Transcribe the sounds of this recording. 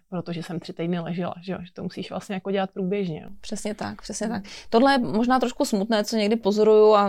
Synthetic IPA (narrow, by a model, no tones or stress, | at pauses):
pɾot̪oʒɛsɛmt̪r̥ɪt̪ɛjdnɪlɛʒɛla̰ʒɛo̰ʒɛt̪omusiːʃvlʔa̰st̪ɲɛjakoɟɛlat̪̚pɾuːbjɛʒɲɛ̰n̰pr̝̥ɛsɲɛt̪akpr̥ɛsɲɛt̪ak̚t̪o̞dlɛjɛmoʒnaːt̪ɾo̞ʃkusmut̪nɛːt͡soɲɛɡdɪpo̞zo̞ɾujua